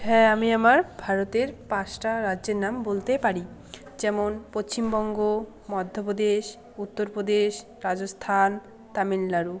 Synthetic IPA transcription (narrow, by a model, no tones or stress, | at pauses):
ɦɛamiamaɾbʱaɾot̪eɾpãʃʈaɾadːʑeɾnambolt̪epaɾi | d͡ʑɛmonpost͡ɕimbɔŋɡo | mɔd̪ʱːopod̪eʃ | ut̪ːoɾpɾod̪eʃ | ɾad͡ʑost̪ʰan | t̪amillaɾu